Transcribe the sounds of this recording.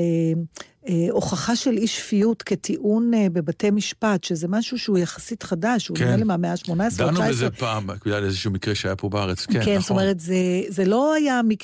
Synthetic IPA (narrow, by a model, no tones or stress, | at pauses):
e | eʔo̞χaχaʃe̞liʃfijutke̞tʰiʔunbe̞batejmiʃpatʃezemaʃuʃeujaχḁsitχadaʃuniʁelemameaʃmonaessnazepaːmkedalezeʃuumikʁeʃajapʰobaaʁet͡skkenst̪omeʁetzezelo̞ajamik